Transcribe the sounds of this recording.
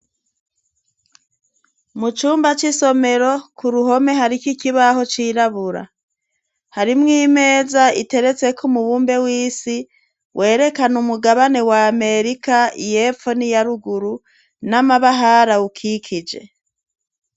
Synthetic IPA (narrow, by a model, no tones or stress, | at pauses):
mut͡ʃuːmbat͡ʃiso̞me̞ɾo̞kuɾuɦo̞me̞ɦaɾikikiβaɦo̞t͡ʃiːɾaβuɾa̰ | haɾimŋiːme̞ːzaite̞ɾe̞t͡se̞kʰumuβuːmbe̞wiːsi | wʔe̞ːɾe̞kanumuɡaβane̞waːme̞ɾikaḭjepfo̞nijaɾuɡuɾu | namaβaɦaɾaukʰikʰid͡ʒe̞̰